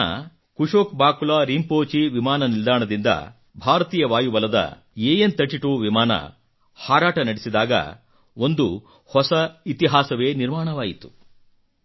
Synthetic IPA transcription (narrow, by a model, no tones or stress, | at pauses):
ɐ̰ | kuʂoːkbaːkulaːɾiːmpoːt͡ʃiʋimaːnɐnild̪aːɳɐd̪ind̪ɐ̰ | bʱaːɾɐt̪iːjɐʋaːjuʋɐlɐd̪ɐ̰ | jeːjent̪ɐʈːiʈuːʋimaːnɐ̰ | haːɾaːʈɐnɐɽesid̪aːɡɐ̰ | o̞nd̪u | hɔsɐit̪iɦaːsɐʋe̞ːniɾmaːɳɐʋaːjit̪u̥